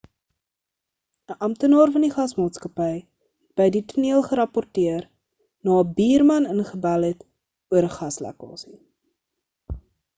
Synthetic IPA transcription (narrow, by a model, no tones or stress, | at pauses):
əʔɐmtənɑːrfɐniχɐsmɑːtskɐpɛj | b̥əjdituniəlˠχəɾɐpɔrtiər | nɑːəbiːrmɐnənχəbælˠɦɛt | uəɾəχɐslæ̰kɑ̰ːsi